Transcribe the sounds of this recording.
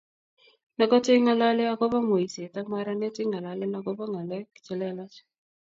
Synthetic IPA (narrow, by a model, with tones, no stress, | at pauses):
na˨˦ɡɔ˦tɪ˦ŋa˨la˦lɪ˦a˦ɡɔ˦ba˦ŋo˨i˨se˨ta˦ma˦ɾa˦nɛ˦tɪ˦ŋa˨la˨lɪ˦na˨˦ɡɔ˦ba˦ŋa˨lɛ˦kt͡ʃɛ˦lɛ˦la˦t͡ʃ